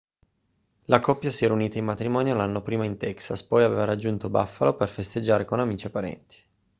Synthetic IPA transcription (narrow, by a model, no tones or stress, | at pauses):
lakɔpːjasiɛːɾauniːt̪aimmat̪ɾimɔːnjoalanːopɾiːmaint̪ɛksaspɔjavḛːvaɾad͡ʒːunt̪obafːaloperfest̪ed͡ʒːaːɾekonamiːt͡ʃiapːaɾɛ̰nt̪i̥